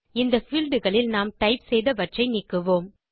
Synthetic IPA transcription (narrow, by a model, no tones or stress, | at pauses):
ɪnd̪ɐfɪlɖɯɣɐɭɪlnaːmʈɐɪpsɛjðɐʋɐʈrɐɪnɪkːɯʋoːm